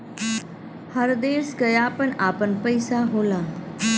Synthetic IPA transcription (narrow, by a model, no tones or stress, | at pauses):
həɾd̪eːɾsɡəjaːpənaːpənpəɪsaɦoːlaː